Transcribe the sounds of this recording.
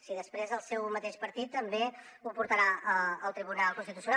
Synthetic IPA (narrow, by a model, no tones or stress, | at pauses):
siðəspɾezəlˠsɛwmət̪eʃpəɾt̪it̪ːəmbe | upuɾt̪əɾaəəlˠt̪ɾiβunalˠkunst̪it̪usiun